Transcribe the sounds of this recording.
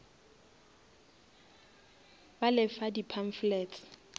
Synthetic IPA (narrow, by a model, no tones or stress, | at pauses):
balɪfadipʰaɱflɛtʰ